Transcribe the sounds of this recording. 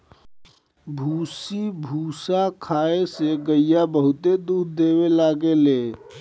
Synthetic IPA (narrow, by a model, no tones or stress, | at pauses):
bʱusibʱuːsakʰaːeseɡəijabəɦʊt̪ed̪uɾd̪ewelaɡele